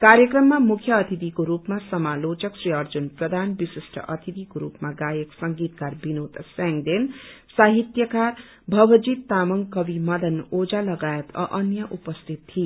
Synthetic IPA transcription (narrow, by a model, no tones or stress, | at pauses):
kaɾjʌkrʌmːamukʰjʌːt̪ʰit̪ikoɾupmasʌmalot͡ʃʌksriʌrd͡zunprʌd̪ʱanbisisʈʰʌ̰ʔʌt̪ʰit̪ikoɾupmaɡajʌksʌŋɡit̪̚karbinot̪saŋd̪ensaɦit̪jʌkar | bʱʌʋʌd͡zit̪ːamʌŋkʌbimʌd̪ʌnod͡zalʌɡajet̪ʌ̰ʔʌnjʌʔupʌst̪ʰit̪ːʰi